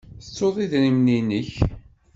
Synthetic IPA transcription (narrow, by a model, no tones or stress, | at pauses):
θət͡sːoðˤiðɾimninəç